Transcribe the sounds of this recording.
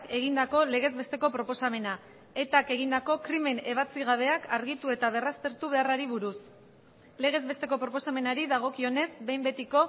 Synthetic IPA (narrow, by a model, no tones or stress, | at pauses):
ke̞ɣ̞ind̪ako̞le̞ɣ̞e̞zβe̞st̪e̞ko̞pɾo̞po̞same̞na | e̞t̪ake̞ɣ̞ind̪ako̞kɾime̞ne̞β̞at͡siɣ̞aβ̞e̞akaɾɣit̪ue̞t̪aβ̞e̞rast̪e̞ɾt̪uβ̞e̞araɾiβuɾus | le̞ɣ̞e̞zβe̞st̪e̞ko̞pɾopo̞same̞naɾiðaɣ̞o̞kio̞ne̞zbe̞jmbe̞t̪iko̞